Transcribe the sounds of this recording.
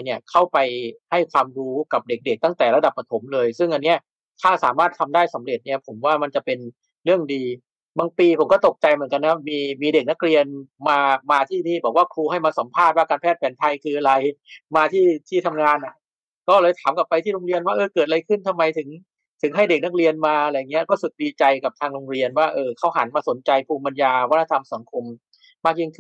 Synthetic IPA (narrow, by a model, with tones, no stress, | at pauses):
jni˥˩ɐkʰa˥˩wpa˧jha˥˩jkʰwaː˧mɾuː˦˥ka˨˩p̚de˨˩k̚de˨˩k̚t̪a˥˩ŋt̪ɛː˨˩ɾa˧da˨˩pːa˧t̪ʰo˩˦mlɤː˧jsɯ˥˩ŋʔa˧nːi˦˥ɐ | t̪ʰaː˥˩saː˩˦maː˥˩t̪ʰa˧mdaː˥˩j̚sa˩˦mɾe˨˩t̪̚ni˥˩pʰo˩˦mwaː˥˩ma˧nt͡ɕa˨˩pe˧n | ɾɯ˥˩əŋdiː˧ | baː˧ŋpiː˧pʰo˩˦mkɔː˥˩t̪o˨˩k̚t͡ɕa˧jmɯ˩˦nka˧nːa˦˥miː˧miː˧de˨˩k̚na˦˥k̚ɾi˧ənmaː˧maː˧t̪ʰiː˥˩niː˥˩bɔː˨˩k̚waː˥˩kʰuː˧ɦa˥˩jmaː˧sa˩˦mpʰaː˥˩t̪̚waː˥˩kaː˧npʰɛː˥˩t̪̚pɛː˨˩˦nt̪ʰa˧jkʰɯː˧ʔa˧ɾa˧jmaː˧t̪ʰiː˥˩t̪ʰiː˥˩t̪ʰa˧mŋaː˧nʔa˨˩ | kɔː˥˩lɤː˧jt̪ʰaː˩˦mka˨˩pːa˧jt̪ʰiː˥˩ɾo˧ŋɾi˧ənwaː˥˩ʔɤː˧kɤː˨˩t̪̚ɾa˧jkʰɯ˥˩nt̪ʰa˧mːa˧jt̪ʰɯ˩˦ŋ | t̪ʰɯ˨˩˦ŋɦa˥˩jde˨˩k̚na˦˥k̚ɾi˧ənmaː˧la˧jŋːi˦˥ɐ˧kɔː˥˩su˨˩t̪̚diː˧t͡ɕa˧jka˨˩p̚t̪ʰaː˧ŋɾo˧ŋɾi˧ənwaː˥˩ʔɤː˧kʰa˦˥wɦa˩˦nmaː˧so˩˦nt͡ɕa˧jpʰuː˧mba˧njaː˧wa˦˥t̪ʰa˧t̪ʰa˧msa˩˦ŋkʰo˧m | maː˥˩k̚ji˥˩ŋkʰɯ˥˩n